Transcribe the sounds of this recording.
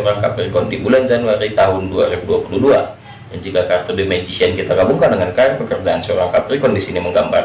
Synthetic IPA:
ɔɾaŋkaprikɔndibuland͡ʒanuaɾit̪aɦʊnduaɾibuduapuludua | dand͡ʒuɡakart̪ɔrdimɛd͡ʒisiankit̪aɡabuŋkadəŋankaɛrpəkərd͡ʒaansɔɾaŋkapɾikɔndisiniməŋɡamba̰r

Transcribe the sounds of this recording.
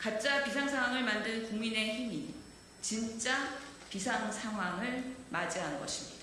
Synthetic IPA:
kap̚t͡ɕ͈apisʰaŋsʰaŋwaŋɯɭmandɯnkuŋmine̞çimi | t͡ɕint͡ɕ͈a | pisʰaŋsʰaŋɦwaŋɯɭmad͡ʑiɦanɡʌɕʰi̥mɲid̥a

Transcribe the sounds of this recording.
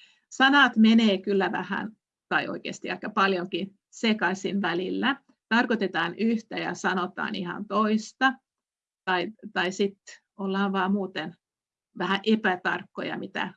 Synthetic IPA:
sɑnɑt̪meneːkylːæʋæ̰hæ̰n | t̪ɑiʔo̰ikḛːst̪iʋɑikːɑpɑljoŋki | sekɑsʲinʋælilːæ | t̪ɑrkot̪et̪ɑːnyht̪æjɑ̰sɑnot̪ɑ̰ːnḭhɑ̰nt̪oist̪ɑ | t̪ɑit̪ɑisit̪ | olːɑːnʋɑːmuːt̪en | ʋæhæʔepæt̪ɑ̰rkːo̰jɑ̰mit̪æ̰

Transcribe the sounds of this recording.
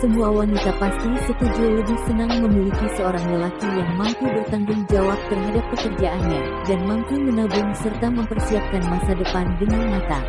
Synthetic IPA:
səmuawanit̪apast̪isət̪ud͡ʒuləbɪhsənaŋməmilikisəoɾaŋləlakijaŋmampubərt̪aŋɡʊŋd͡ʒawap̚t̪ərɦadapːəkərd͡ʒaʔanɲa | danmampɪnmənəbʊŋsərt̪aməmpərsiap̚kanmasadəpandəŋanmat̪a

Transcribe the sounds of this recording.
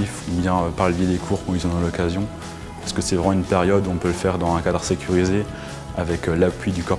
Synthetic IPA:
ifubjɛ̃øpaʁləvjed̪ekʰuʁkɔ̃ilzɔ̃d̪ɑ̃lɔkazjɔ̃ | paʁsə̥kəsɛvʁɛmɑ̃ynpeʁjɔd̪uɔ̃pøləfɛʁd̪ɑ̃zɛ̃kad̪ʁəsekʲyʁize | avɛkølapɥid̪ykɔʁ

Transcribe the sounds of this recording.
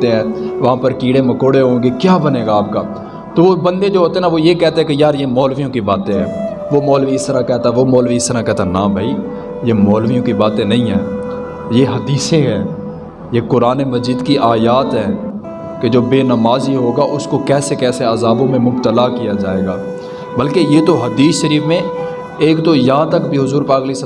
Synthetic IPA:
eɦɛ̃ːʋɐɦãːpəɾkiːɽemɐkoːɽeɦõːɡekjaːbɐneːɡaːp̚kaː | t̪oːʋobɐ̃nd̪ed͡ʒoːɦoːt̪eɦɛnaʋojekɛːt̪eɦɛ̃kejaːɾjemɔːlʋijõkibaːt̪ẽɦɛ̰̃ː | ʋoːmɔːlʋiɪst̪əɾakɛːt̪aɛʋoːmɔːlʋiɪst̪əɾakɛːɦt̪aɛnãbʱaːi | jemɔːlʋijõkibaːt̪ẽnɐɦĩɦɛ̃ː | jeɦɐd̪iːsẽɦɛ̃ː | jekʊɾaːnemɐd͡ʒiːd̪kiʔaːjaːt̪ɦɛː | ked͡ʒoːbeːnɐmaːziɦoːɡaʔʊskokɛːsekɛːseazaːbõmẽmʊbt̪əlakijad͡ʒaːeːɡaː | bɐlkejet̪oɦɐd̪iːsʃəɾiːfmẽ | eːkt̪ojɐɦãt̪ɐkbʱiɦʊzuːɾpaːkɐleis

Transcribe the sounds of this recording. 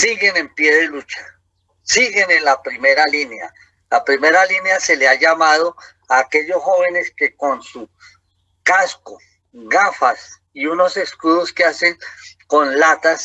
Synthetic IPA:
siɣe̞ne̞mpje̞ðelut͡ʃḁ | siɣe̞ne̞nlapɾimeɾalinea̰ | lapɾime̞ɾalinjase̞leaʝamað̞o̞ | aːke̞ʎosxo̞βe̞ne̞ske̞ko̞nsu | kasko | ɡafas | iuno̞se̞skuðoskease̞ŋkonlat̪as

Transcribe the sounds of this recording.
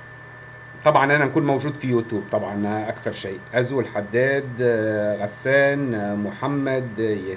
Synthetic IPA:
t̪ˤɑbʕɑnʔænæʔkuːnmæwʒuːd̪fijut̪juːb̚t̪ˤɑbʕɑnʔækθɑɾˤʃiːʔæzwɪlħad̪ːæːd̪ɣæsːæːnmʊħamːæd̪j

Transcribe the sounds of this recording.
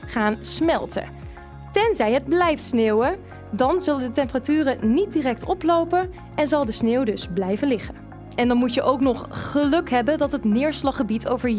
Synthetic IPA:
χaːnsmɛlˠtə̰ | tɛnzɛjɦəd̚blɛjftsneːwə | dɑnzɵləndətɛmpəratyːrənit̚dirɛk̚tɔplowpən | ɛnzɑlˠdəsneːwdɵzblɛjvənlɪχə | ɛndɑnmutjəʔowknɔχχəlɵkɦɛbəndɑtɦətnɪːɹslɑχəbitʰowvəɹj

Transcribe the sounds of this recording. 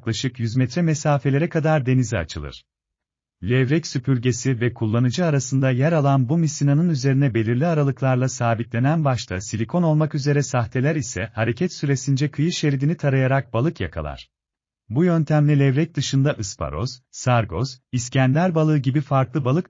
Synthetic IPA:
klˠaʃɯkjyzmɛt̪ɾɛmesaːfe̞lʲe̞ɾɛkʰad̪aɾd̪e̞nizia̰t͡ʃʰɯlˠɯ̰ɾ̥ | lʲɛvɾɛcsypʰyɾʲɟe̞sivɛkʰulˠːanɯd͡ʒɯaɾasɯnd̪ajæɾalˠanbumisinanɯnyze̞ɾinɛbe̞lʲiɾlʲiaɾalˠɯklˠaɾlˠasaːbit̪lʲe̞nænbaʃt̪ʰa̰silʲikʰo̞no̞lˠmakyze̞ɾɛsaxt̪ʰe̞lʲæɾisɛ̰haɾe̞cʰɛt̪syɾe̞sind͡ʒɛkʰɯjɯʃeɾd̪init̪ʰaɾajaɾak̚balˠɯkja̰kʰa̰lˠa̰ɾ̥ | bujø̞nt̪ʰæmlʲilʲɛvɾɛc̚d̪ɯʃɯnd̪aʔɯspʰa̰ɾo̞̰z̥sːaɾɡo̞̰ziscænlʲæɾbalˠɯːɟibifaɾklˠɯbalˠɯk

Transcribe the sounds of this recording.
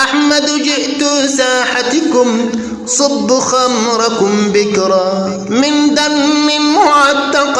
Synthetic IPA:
ʔaħmad̪d͡ʒɪʔt̪ʊsaːħat̪kʊm | sˤʊbːʊxamɾˤɑkʊmbɪkɾˤɑː | mɪnd̪amːɪmʊʕat̪ːɑq

